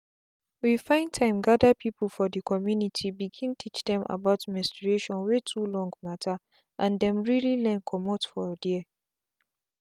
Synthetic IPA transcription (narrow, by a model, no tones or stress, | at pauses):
wifãɪ̃ntʰãɪ̃mɡadapʰipəlfɔdəkʰɔmjunitʰibiɡĩntʰit͡ʃdɛ̃mʔa̰baʊtmɛ̃stɹieʃɔ̃nwetʰulɔ̃ŋɡmatʰa | ʔãndɛ̃mɹililɛ̃nkʰɔmɔtfɔdi